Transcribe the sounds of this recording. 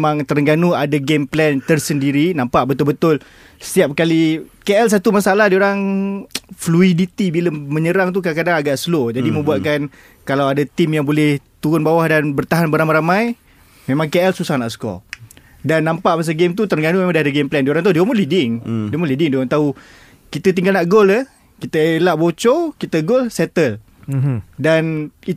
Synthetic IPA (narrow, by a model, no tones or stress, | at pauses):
mãŋt̪əɾəŋɡanuadaɡemplɛnt̪ərsəndiɾinãmpaʔbət̪ʊlbət̪ʊl | sə̥t̪iap̚kalikeʔɛls̬at̪umasaalaɦdioɾaŋ | fluidit̪ibiləmə̃ɲəɾaŋt̪ukaakadaŋaɡaʔsəlod͡ʒadimə̃mbuat̪̚kan | kalawadat̪imjaŋbolɛht̪uɾʊnbawahdanbərt̪aɦanbəɾamaɾamãj | memãŋkeɛlsusahnaʔsə̥kɔ̰ | danːampaʔmas̬əɡemt̪̬ut̪ərɡanumemãŋdaadəɡemplɛndioɾaŋt̪audiomulidɪŋdiomulidɪŋdioɾaŋt̪au | kit̪ət̪̬iŋɡalnaʔɡoləh | kit̪əelaʔbot͡ʃɔkit̪əɡolsɛt̪əl | dani